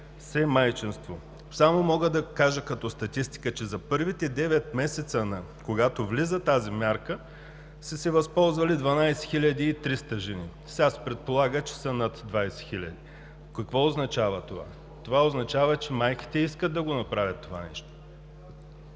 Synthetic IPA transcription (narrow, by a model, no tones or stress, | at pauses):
sɛmajt͡ʃinst̪vo | samomɔɡəd̪ɐkaʒəkɐt̪ɔst̪ɐt̪ist̪i̥kət͡ʃɛzɐpɤɾvit̪ɛd̪ɛvɛt̪mɛsɛt̪sənɐ | koɡat̪ovlizət̪azimʲjaɾkə | səsɛvɐspɔlˠzvɐlid̪vɐnajsɛ̥xilʲɐd̪iːt̪ɾist̪əʒɛni | sʲaspɾɛt̪̚polˠaɡət͡ʃɛ̥sənɐt̪d̪vajsɛ̥xilʲɐ̰d̪i | kɐkvɔoznɐt͡ʃavət̪ova̰ | t̪ovaoznɐt͡ʃavət͡ʃɛmajkʲi̥t̪ɛiskətd̪ɐɡonɐpɾavʲɐt̪ːova̰nɛ̰ʃt̪o̥